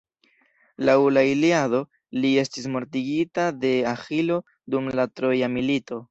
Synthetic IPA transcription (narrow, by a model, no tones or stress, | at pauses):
lawlailiado̞ | lie̞stis̬mo̞ɾtiɡitade̞axilo̞ | dumlatɾo̞jamilito̞